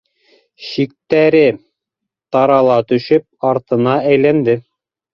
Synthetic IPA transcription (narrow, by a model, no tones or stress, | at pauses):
ʃik̚t̪æɾɘ | t̪ɑɾɑlˠɑt̪ɵ̆ʃɵp̚ɑɾt̪ɤ̆nɑæjlænd̪ɘ